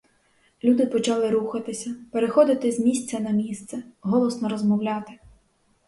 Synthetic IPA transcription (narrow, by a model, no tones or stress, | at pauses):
lʲud̪ɪpɔt͡ʃɑlˠɪɾuxɐt̪ɪsʲɐpeɾexɔd̪ɪt̪ɪzmʲisʲt͡sʲɐnɐmʲist̪sɛɦɔlˠɔsnɔɾɔzmɔwlʲɑt̪ɪ̥